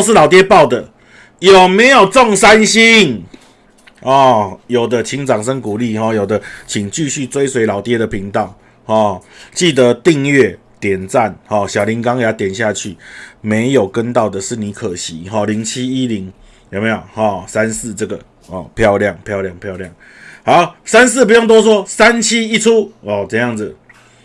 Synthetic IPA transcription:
ʂ̬̩˥˨lɑ˨˩ʊt̪jɛ˥pɑ˥˨ʊd̪ə˨˩ | jo˨˩ʊme˨˦ɪjo˨˩ʊt͡sɔ˥˨ŋsa˦˥nɕi˦ŋ | hɔ˨˩jo˨˩ʊd̪ə˦t͡ɕʰi˧˥ŋt͡sɑ˨˩ŋʂə˦ŋku˨˩li˥˨ɦɔ˥˩jo˨˩ʊd̪ə˦t͡ɕʰi˨˩ŋt͡ɕy˥˧ɕy˥˨t͡swe˥˦ɪswe˧ɪlɑ˨˩ʊt̪jɛ˥d̪ə˨pʰi˨˥ŋt̪ɑ˥˩˦ʊ | hɔ˨˩t͡ɕi˥˩t̪ə˨˦t̪i˥˧ŋɥɛ˥˩ | t̪jɛ˨˩nt͡sa˥˨nhɔ˥˨˩ɕjɑ˨˩ʊli˨˦ŋka˦ŋja˨˧˦t̪jɛ˨˩nɕ̬ja˥˧t͡ɕʰy˥˩me˨˦ɪjo˨˩ʊkə˦˥nt̪ɑ˥˩ʊd̪ə˩ʂɻ̩˥˩ni˨˦kʰə˨˩ɕḭ˨˦ɦɔ˨˩li˧˥ŋt͡ɕʰi˦i˦li˨˦˥ŋ | jo˨˩me˧˦jo˨˩hɔ˨˩sa˦nsɹ̩˥˨t͡sɤ˥˨˩ɡə˩ | ɔ˨˩pʰjɑ˥˧ʊlja˥˨ŋpʰjɑ˥˧ʊlja˥˧ŋpʰjɑ˥˧ʊlja˥˩ŋ | ha˨˦ʊsa˦ns̬̩˥˨pu˧jo˥˩ŋt̪̬wɔ˥s̬wɔ˥sa˦nt͡ɕʰi˦i˦t͡sʰu˦˥ɔ˥˨˩t͡sə˥˧jɑ˥˩ŋd͡zɨ˨˩

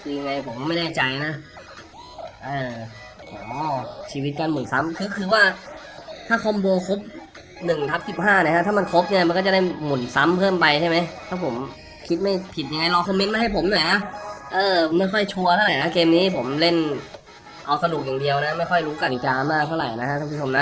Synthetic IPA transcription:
i˧ŋːa˧jpʰo˩˦m˥˧ma˥˩jnɛː˥˩t͡ɕa˧jna˦˥ʔ | ʔɤː˧˩ | ɔː˦t͡ɕʰiː˧wi˦˥t̪̚kaː˧nmu˨˩˦nsa˦˥mkʰɯː˧kʰɯː˧waː˥˩ | t̪ʰaː˥˩kʰɔ˧mboː˧kʰo˦˥p̚ | nɯ˨˩ŋt̪ʰa˦˥p̚si˨˩p̚ɦaː˥˩na˧˩kʰa˦˥t̪ʰaː˥˩ma˧nkʰo˦˥p̚ni˥˩ɐma˧kɔː˥˩t͡ɕa˨˩da˥˩jmu˨˩˦nsa˦˥mpʰɤː˥˩mpa˧jt͡ɕʰa˥˩jma˦˥jt̪ʰaː˥˩pʰo˩˦m | kʰi˦˥t̪̚ma˥˩jpʰi˨˩t̪̚ja˧ŋa˧jlɔː˧kʰɔ˧me˦˥nmaː˥˩ha˥˩jpʰo˩˦mnɔ˨˩˦jnʰa˦˥ʔɤː˧ma˥˩jxʰɔ˥˩jt͡ɕʰu˧ɐt̪ʰa˥˩ɾa˨˩jna˦˥keː˧mniː˦˥pʰo˩˦mle˥˩n | ʔa˧wsa˧nu˨˩k̚jaː˨˩di˧əwna˦˥ma˥˩jxʰɔ˥˩jɾuː˦˥ka˧t̪i˨˩kaː˧maː˥˩k̪̚ʰa˥˩wɾa̰˨˩jna˦˥kʰa˦˥k̪ʰa˥˩pʰːt͡ɕʰo˧mna˦˥

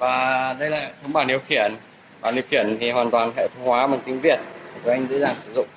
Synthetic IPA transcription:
vaː˨˩ɗə˧jla̰ː˧˨jt̪ʰə˨˦wŋ͡mɓaː˨˩ni˧˩əwxi˧˩ən | ɓaː˨˩ni˧˩əwxi˧˩ənt̪ʰi˨˩waː˨˩nt̪waː˨˩nɦɛ̰˧˨t̪ʰə˧˦wŋ͡mhwaː˨˦vaː˨˩nk̪ï˧˦ŋ̟vi˨˩ət̚a˨˩əː˨˦ʔjŋ̟zə̰˧˥zaː˨˩ŋsɨ˧˩zʊ̰˧˨ŋ͡m

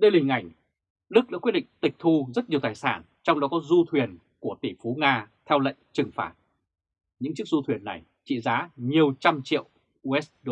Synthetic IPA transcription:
ɗə˧lːŋ̟ʔa˧˩jŋ̟ | lɨ˦˥k̚ɗa̰ː˧˥kwt̚ɗḭ˧˨ŋt̪ï˨˩k̚t̪ʰu˧zə˦˥t̚ɲi˨˩əwt̪aː˨˩jsaː˧˩n | t͡ɕɔ˧wŋ͡mɗɔ˨˦kɔ˨˦zu˧t̪ʰwi˨˩ən | ku˧˩ət̪i˧˩fu˨˦ŋaː˧t̪ʰɛ˧wlə̰˧˨ŋt͡ɕɨ˨˩ŋfa̰ː˧˨˩t̚ | ɲɨ̰˧˥ŋt͡ɕɨ˦˥ək̚zu˧t̪ʰwi˨˩ənːa˨˩j | t͡ɕḭ˧˨zaː˨˦ɲi˨˩əwt͡ɕa˧mt͡ɕḭ˧˨əw | ʔʔɛ˦˥ɗ

